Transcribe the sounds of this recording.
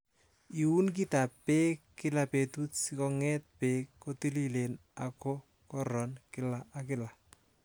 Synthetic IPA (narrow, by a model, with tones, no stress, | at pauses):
i˨u˦nk̬i˦ta˨pːeː˦kːɪ˦lape˨tu˦tsikɔ˦ŋɛt̚peː˦kːo˦ti˦li˦le˨na˨ko˦ | kɔɾɔnkɪ˦la˨ʔa˨kɪla˨